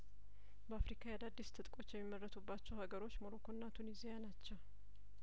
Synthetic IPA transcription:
bəafɾikʰajad̪ad̪ːist̪ʰɨt̪ʼkʼo̞t͡ʃːjɛmːimːərːət̪ʰubːat͡ʃːɛwhaɡəɾo̞t͡ʃːmoɾokʰonːat̪ʰunizijanat͡ʃːɛw

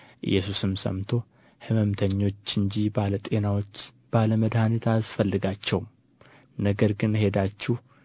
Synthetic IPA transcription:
ʔɨ̰jːɛsusɨmsə̰mt̪ʰo̞ | hɨməmt̪ʰəɲːo̞t͡ʃːɨɲd͡ʒibalət̪ʼe̞nawo̞t͡ʃː | b̥aləməd̪hanit̪ʰasfəlːɨɡat͡ʃːɛwm | nəɡəɾɡɨnhe̞d̪at͡ʃːuh

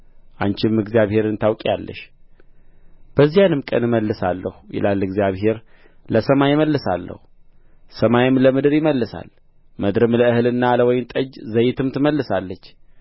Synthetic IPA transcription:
ʔant͡ʃɪmɨɡzijaβhe̞ɾɨnt̪ʰawkʼijalːə̰ʃ | b̥əzːijanɨmkʼənɨməlːɨsalːəhujɪ̰lʔalːɨɡzijaβɦe̞ɾ | ləsəmajɪməlːɨsalːə̰hu | səmajɪmləmɨd̪ɨɾjɪməlːɨsa̰l | məd̪ɾɨmləɨhɨlɨnːaləwɔjɪnt̪ʼəd͡ʒzəjːɪt̪ʰɨmt̪ʰɨməlːɨsalːət͡ʃː

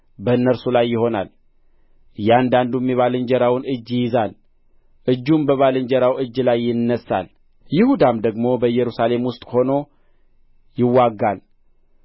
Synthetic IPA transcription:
bənːəɾsulajːɪho̞na̰l | jɛand̪and̪umɛβalɨɲd͡ʒɛɾawnɨd͡ʒːjɪzal | ʔɨd͡ʒːumbəβalɨɲd͡ʒɛɾawɨd͡ʒːlajːɪnːəsːa̰l | jɪhud̪amd̪əɡmo̞bəjːɛɾusale̞mwʊst̪ʼho̞no̞ | jɪwːaɡːal

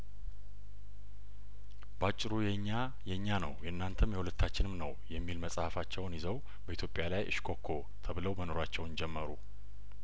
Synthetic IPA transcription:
bat͡ʃʼːɪɾujɛɲːa | jɛɲːanəwjɛɨnːant̪ʰəmjɛwulət̪ʰːat͡ʃːɪnɨmnəwjɛmːilməsʼhafat͡ʃːɛwnjɪzəw | bəʔit̪ʰjopʼːjalajʔɨ̰ʃkʰo̞kʰːo̞ | t̪ʰəβɨləwməno̞ɾat͡ʃːɛwnd͡ʒɛmːəɾu

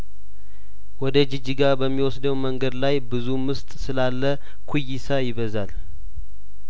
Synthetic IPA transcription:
wɔd̪əd͡ʒɨd͡ʒiɡabəmːiwɔsd̪əwməŋɡəd̪lajbɨzumɨst̪ʼsɨlalːə | kʰujːɪsajɪβəzal

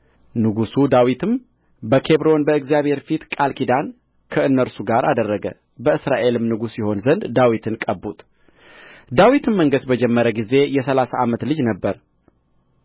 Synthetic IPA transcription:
nɨɡusud̪awit̪ʰɨm | bəkʰe̞βɾo̞nbəɨɡzjaβhe̞ɾfit̪kʼalkid̪an | kʰəɨnːəɾsuɡaɾa̰d̪ərːəɡə̰ | bəɨsɾaʔe̞lɨmnɨɡusiho̞nzənd̪d̪awit̪ʰɨnkʼəbːut̪ | d̪awit̪ʰɨmməŋɡəsbəd͡ʒɛmːəɾəɡize̞jɛsəlasaʔamət̪lɨd͡ʒnəbːəɾ

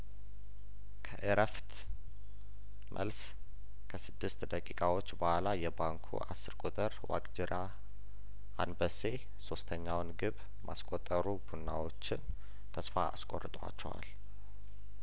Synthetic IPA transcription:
kʰəʔəɾəft̪ | mʔə̰ls | kʰəsɨd̪ːɨst̪d̪əkʼikʼawo̞t͡ʃːbahalajɛbaŋkʰṵʔasːɨɾkʼot̪ʼəɾwa̰kʼd͡ʒɪɾʔa | ʔa̰nbəse̞ | so̞st̪ʰəɲːawnɡɨβ | mʔa̰skʼot̪ʼːəɾubunːawo̞t͡ʃːɪn | t̪ʰəsfaa̰skʼorːɨt̪ʼwa̰t͡ʃːɛ̰wa̰l

